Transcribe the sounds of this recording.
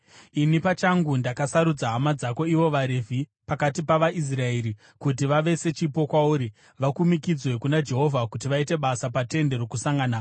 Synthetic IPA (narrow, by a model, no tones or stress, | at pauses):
inipat͡ʃaŋɡundakasaɾud͡zaɦamad͡zako̞iʋo̞ʋaɾevʱipakatipaʋaʔis̬rae̞ɾi | kut̬iʋaʋe̞se̞t͡ʃipo̞kwauːɾi | ʋakumikid͡zwe̞kunad͡ʒe̞ɦo̞vʱakut̬iʋaite̞ɓasapate̞nde̞ɾo̞kusaŋɡaːna